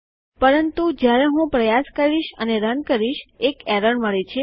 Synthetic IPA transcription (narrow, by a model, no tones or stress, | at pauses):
pəɾənt̪ud͡ʒjaɾeɦũpɾəjaskəɾiʃəneɾənkəɾiʃekɛɾəɳməɭet͡ʃʰe